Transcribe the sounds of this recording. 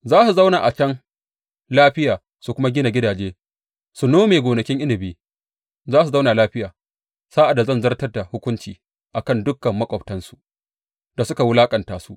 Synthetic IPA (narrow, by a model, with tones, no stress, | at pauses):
zaː˦su˨za˦wnaː˨ʔa˨t͡ʃɐ˦ŋ | laː˦ɸɪ˦jaː˨ | su˨kʷʊ˦ma˦ɡʲɪ˦na˨ɡʲɪ˦daː˨d͡ʒeː˦ | su˨noː˦meː˨ɡʷoː˨nɐ˨kʲɪ˦ŋʔɪ˦nɪ˨beː˨ | zaː˦s̬u˨za˦wnaː˨laː˦ɸɪ˦jaː˨ | saː˦ʔa˨da˨zɐ˦˨nzɐ˦rtɐ˦rda˨hʊ˦kʷʊ˦nt͡ʃiː˨ | ʔa˨kɐ˦˨ndʊ˦kːɐ˨mːɐ˦kʷʼɔ˨ɸtɐ˦nsu˨ʔ | d̥a˨sʊ˦ka˨wʊ˦laː˦kʼɐ˨ntaː˨su˦ʔ